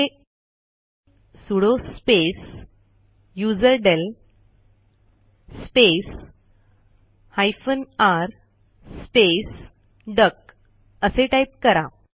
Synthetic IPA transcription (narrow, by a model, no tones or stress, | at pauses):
e | suɽospes | jud͡zəɾɖel | spes | hajfənaɾ | spes | ɖək̚ | əseʈaip̚kəɾa